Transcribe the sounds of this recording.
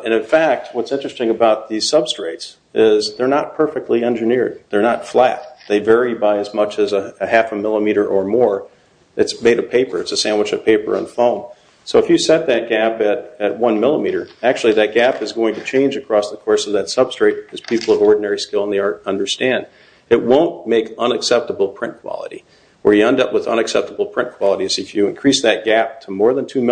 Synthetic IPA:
ɨ̃ñɨ̃nfæk̚t̚wʌtsɪ̃nt͡ʃɹ̥ɨstɪ̃ŋəbaʊt̪̚ðiz̥sʌb̥stɹ̥eɪts | ɪzðə˞nət̚pʰɜ˞fɨk̚tˡliɛ̃nd͡ʒɨnɪɹd̪̚ðə˞nətflæ̰t̚ðeɪvɛɹibaɪɨzmʌt͡ʃɨzəɨhæfəmɪlˠəmiɾə˞ʔə˞mɔɹ | ɨtsmeɪɾʌvpʰeɪpə˞ɨtsɨsæ̃ndwɨt͡ʃʌv̥pʰeɪpə̰˞ə̰̃nfõʊ̃n | soʊəfjɨsɛt̪̚ðɨt̚ɡ̥æpɨɾɨt̚wʌ̃nmɪlˠəmiɾə˞æk̚t͡ʃʉl̩ˠiðɨt̚ɡ̥æpɨzɡoʊɪ̃ŋtʰɨt͡ʃʰẽɪ̃nd͡ʒɨkʰɹ̥ɔsðəkʰɔɹsʌvðɨtsʌb̥stɹ̥eɪɾ̚ɨz̥pʰipl̩ˠʌvɔɹdⁿn̩ɛɹiskɪlˠə̃nðiɑɹɾʌ̃ndə˞stæ̃nd̥ | ɨt̚wõʊ̃nmeɪkʌ̃nɨksɛp̚təbl̩ˠpʰɹ̥ɪ̃nkʰw̥ɑ̰lˠə̰ɾḭ | ə˞jɨɛ̃ndʌpwəðʌ̰̃ñɨksɛp̚təbl̩ˠpʰɹ̥ɪ̃nkʰw̥ɑlˠəɾizɨfjɨɨ̰̃nkʰɹ̥isðɨt̚ɡ̥æp̚tʰəmɔɹðɨ̃ntʰʉm

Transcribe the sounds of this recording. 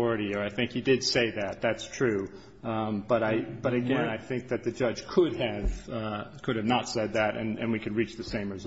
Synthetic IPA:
ɹɨɾiə˞aɪθɪ̃ŋkhidɪd̥seɪðæt̪̚ðætstʰɹ̥ʉ | b̥ʌɾaɪb̥ʌɾɨɡɛ̃naɪθɪ̃ŋk̚ðɨt̪̚ðɨd͡ʒʌdʒ̥kʰʊd̚ɨv̥kʰʊɾɨvnətsɛd̪̚ðɨɾɨ̰̃nɨ̰̃nwikʰɨ̃d̚ɹit͡ʃðɨsẽɪ̃mɹɨz

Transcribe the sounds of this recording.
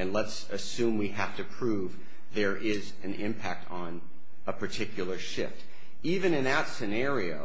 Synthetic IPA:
ɨ̃nləts | ɨsʉ̃mwiɦæftɨpʰɹ̥uv | ðə˞ʔɪz | ɨ̃nɪ̃mpʰæk̚tʰ | n̩ | əpʰə˞tʰɪkʰjl̩ˠə˞ʃɪ̰ft | ivɨ̃nɨ̃nðətsɨnɛɹioʊ

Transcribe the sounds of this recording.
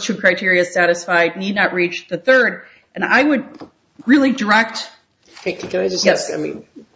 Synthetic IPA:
tʰɨkʰɹ̥aɪtʰɪɹiɨ̥sæɾɨsfaɪdⁿnidⁿnətʔ̚ɹit͡ʃðɨθɜ˞d | ʔɨ̃na̰ɪwɨd̚ | ɹɪlˠidə˞ɛk̚t | kʰeɪk̚tʰikʰɨ̃naɪd͡ʒʌsjɛsaɪmḭ̃n

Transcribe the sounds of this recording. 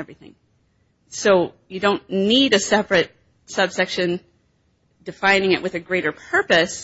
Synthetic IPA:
ɛvɹiθɪ̰̃ŋ | soʊjɨdõʊ̃nniɾɨsɛpɹɨt̚ | sʌb̥sɛkʃɨ̃n | dɨfãɪ̃nɪ̃ŋɨ̰ʔwʔɨðɨɡɹeɪɾə˞pʰɜ˞pɨs

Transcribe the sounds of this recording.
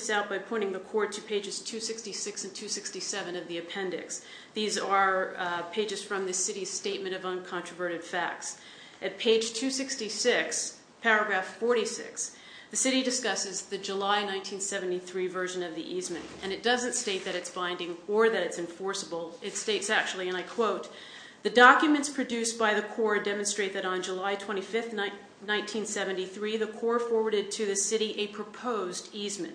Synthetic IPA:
saʊt̚b̥aɪpʰɔ̃ɪ̃ɾ̃ɪ̃ŋðɨkʰɔɹd̚tʰɨpʰeɪd͡ʒɨz̥tʰʉsɪkstisɪksɨ̃n̩tʰʉsɪkstisɛvɨ̃nʌvðiɨpʰɛ̃ndɪ̰ks | ðizə˞pʰeɪd͡ʒɨz̥fɹʌ̃mðɨsɪɾiz̥steɪt̚mɨ̃ɾ̃ʌvʌ̃nkʰɑ̃ntɹ̥əvɜ˞ɾɨd̥fæk̚ts | ʔɨt̚pʰeɪd̥ʒ̥tʰʉsɪkstisɪks | pʰɛɹɨɡɹæffɔɹɾisɪ̰ks | ðɨsɪɾidɨskʌsɨzðɨd͡ʒəlaɪnãɪ̃ntʰĩnsɛvn̩tiθɹivɜ˞ʒɨ̃nʌvðiʔizmɨ̃nɨ̃ñɨt̚d̥ʌzɨ̃ntsteɪt̪̚ðɨɾɨtsb̥ãɪ̃ndɪ̃ŋə˞ðɨɾɨtsɨ̃ɱfɔɹsəbl̩ˠɨtsteɪtsæk̚t͡ʃul̩ˠiɨ̃ñaɪkʰw̥oʊt̪̚ | ðɨdɑkjɨmɨ̃ntspʰɹ̥ɨdʉsb̥aɪðɨkʰɔɹdɛmɨ̃nstɹ̥eɪt̪̚ðɨɾn̩d͡ʒəlaɪtʰw̥ɛ̃ɾ̃ifɪfθn | nãɪ̃ntʰĩnsɛvɨ̃ntiθɹiðɨkʰɔɹfɔɹwə˞ɾɨd̚tʰɨðɨsɪɾiʔɨpʰɹ̥ɨpʰoʊzdizmɨ̰̃n

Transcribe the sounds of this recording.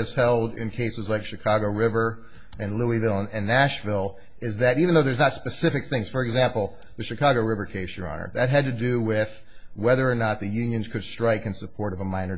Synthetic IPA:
ɨz̥hɛlˠdɪ̰̃nkʰeɪsɨzlaɪkʃɨkʰɑɡoʊɹɪvə˞ | ɨ̃nluivɪlˠə̃nɨ̃nːæʃvɪlˠ | ɪzðɨɾiṽɨ̃n̩ðoʊðə˞znətspɨsɪfɨk̚θɪ̃ŋz̥fə˞ɨɡzæ̃mpl̩ˠ | ðɨʃɨkʰɑɡoʊɹɪvə˞kʰeɪsjə̰˞ɑ̰̃nə̰˞ðɨt̚ɦɨd̚tɨdɨwɪð̥ | wɛðə˞ːnət̪̚ðɨjʉ̃njɨ̃nz̥kʰɨd̥stɹ̥aɪkɨ̃nsɨpʰɔɹɾʌvəmãɪ̃nə˞

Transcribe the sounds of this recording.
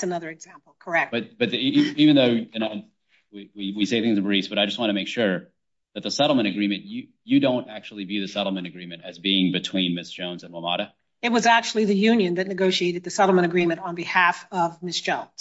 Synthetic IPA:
sɨnʌðə˞ɨɡzæ̃mpl̩ˠkʰə˞ɛk̚tb̥ʌt̚b̥ʌt̪̚ivɨ̃nðoʊjɨno | wiwiwiseɪθɪ̃ŋzʌ̃vbɹisb̥ʌɾaɪd͡ʒʌst̚wɑ̃ñɨmeɪkʃʊɹ | ðɨt̪̚ðəsɛɾl̩ˠmə̃ɾ̃ɨɡɹĩmɨ̃njɨ | jɨdõʊ̃ntæk̚t͡ʃul̩ˠivjʉðɨsɛɾl̩ˠmɨ̃ɾ̃ɨɡɹĩmɨ̃ntɨzbiɪ̃ŋbɨtʰw̥ĩnmɪsd̥ʒ̥õʊ̃nzɨ̃nwəmɑ̰ɾɨ | ɨt̚wʌzæk̚t͡ʃul̩ˠiðɨjʉ̃njɨ̃nðɨtⁿnɨɡoʊʃieɪɾɨd̪̚ðɨsɛɾl̩ˠmə̃ɾ̃ɨɡɹĩmɨ̃ntn̩bɨhæfʌvmɪsd̥ʒ̥õʊ̃nz̥

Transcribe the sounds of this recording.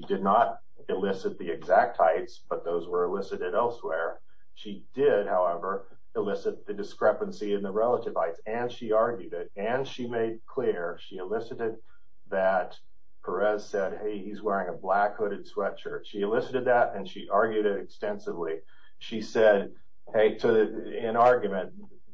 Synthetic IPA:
dɨdⁿnəɾ | ɨlɪsɨt̪̚ðiɨɡzæk̚t̚haɪtsb̥ʌt̪̚ðoʊzwə˞ɨlɪsɨɾɨɾɛlˠswɛɹ | ʃidɪd̚haʊɛvə˞ | ɨlɪsɨt̪̚ðɨdɨskɹɛpɨ̃n̩siɨ̃nðəɹɛlˠəɾɨv̥aɪtsɨ̃nʃiɑɹɡjʉɾɪɾɨ̃nʃimeɪd̚kʰl̥ɪɹʃiɨlɪsɨɾɨd̪̚ | ðɨt̚ | pʰə˞ɛz̥sɛd̚heɪhizwɛɹɪ̃ŋɨblækhʊɾɨd̥swɛt͡ʃə˞ʃiɨlɪsɨɾɨd̪̚ðɨɾɨ̃nʃiʔɑɹɡjʉɾɪɾɨkstɛ̃nsɨvli | ʃisɛd̚ | heɪtʰɨɪ̃nɑɹɡjɨmɨ̃n

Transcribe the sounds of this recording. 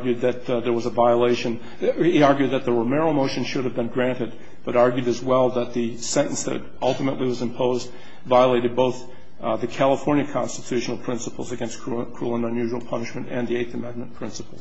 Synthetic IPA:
ɡjʉd̪̚ðɨt̪̚ðə˞wʌzəvaɪəleɪʃɨ̃n | iɑɹɡjʉd̪̚ðɨt̪̚ðəɹəmɛɹl̩ˠmoʊʃɨ̃nʃʊɾɨvbɨ̃nɡɹæ̃ntɨd̚ | b̥ʌɾɑɹɡjʉɾɨzwɛlˠðət̪̚ðɨ | sɛ̃ñn̩sðɨ̰ɾ | ʌlˠtəməʔˡliwʌzɨ̃mpʰoʊzd | vaɪəleɪɾɨd̚boʊθ | ðɨkʰælˠəfɔɹnjɨkʰɑ̃nstɨtʰʉʃn̩l̩ˠpʰɹ̥ɪ̃nsəpl̩ˠzɨɡɛ̃nskʰkʰɹ̥ulˠə̃nʌ̃njʉʒwl̩ˠpʰʌnɨʃmɨ̃ntɨ̃nðieɪθɨmɛ̃nmɨ̃npʰɹ̥ɪ̃nsəpl̩ˠz

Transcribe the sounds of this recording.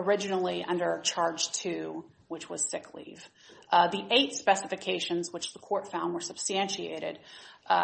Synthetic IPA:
ə˞ɪd͡ʒɨnl̩ˠiʔʌ̰̃ndə˞t͡ʃʰɑɹd̥ʒ̥tʰʉ | wɨt͡ʃwʌz̥sɪkʰlḭv̥ | ðiʔeɪtspɛsɨfɨkʰeɪʃɨ̃nzwɨt͡ʃðəkʰɔɹtfãʊ̃nd̚wə˞səb̥stæ̃nʃiḛɪɾɪ̰d̥

